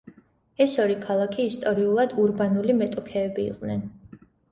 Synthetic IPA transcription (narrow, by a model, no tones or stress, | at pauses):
ɛsɔɾikʰalˠakʰiːst̪ʼɔɾiulˠad̪uɾbanulimɛt̪ʼɔkʰɛːbḭːqʼnɛn